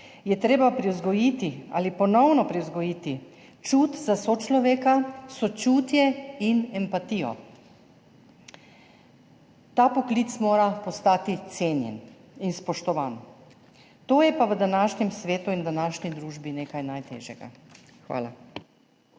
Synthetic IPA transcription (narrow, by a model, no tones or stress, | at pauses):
jɛt̪ɾeːbapɾiwzɡɔjit̪ia̰ːlipɔnɔwnɔpɾiwzɡɔjiːt̪i | t͡ʃut̪zasot͡ʃlɔʋeːkasɔt͡ʃuːt̪jɛinɛmpat̪iːjɔ̰ | t̪aːpɔklit̪smoːɾapɔst̪aːt̪it̪seːnjɛ̰n | inspɔʃt̪ɔʋaːn | t̪oːjɛpaʋəd̪anaːʃnɛmsʋeːt̪uind̪anaːʃnid̪ɾuːʒbineːkajnajt̪ḛːʒjɛɡa̰ | xʋa̰ːla̰